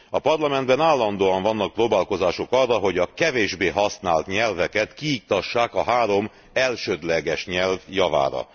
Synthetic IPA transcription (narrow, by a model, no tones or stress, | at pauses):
ɒpɒrlɒmɛnd̪bɛnaːlːɒnd̪oːɒɱvɒnːɒk̚proːbaːlko̞zaːʃo̞kɒrːɒɦo̞ɟɒkɛveːʒbeːɦɒsnaːlt̪ɲɛlvɛkɛt̪kiːk̚t̪ɒʃːaːkɒɦaːɾo̞m | ɛlʃød̪lɛɡɛʃɲɛlvjɒva̰ːɾɒ̰